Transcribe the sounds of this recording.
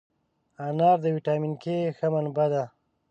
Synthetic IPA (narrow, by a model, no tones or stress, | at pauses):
anɑːɾd̪əwiʈɑminkexəmanbad̪a